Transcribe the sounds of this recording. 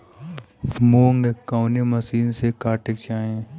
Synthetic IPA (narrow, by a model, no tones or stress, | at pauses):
smoːŋɡekaʊnemɐsiːnsekaːʈɪk̚t͡ʃaːẽ